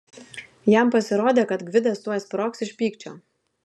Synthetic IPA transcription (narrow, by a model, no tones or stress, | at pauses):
jɛˑmpɐsʲɪɾoːd̪ʲeːkɐt̪ɡʋʲɪd̪ɐst̪uɔjɛsʲpʲɾoːksɪʃʲpʲiːkt͡ʃʲoː